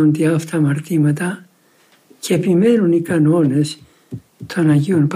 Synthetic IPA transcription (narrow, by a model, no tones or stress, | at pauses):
ont̪iɐft̪ɐmɐɾt̪imɐt̪ɐ | ceepime̞nunikɐno̞ne̞s | t̪ʰo̞nɐʝio̞np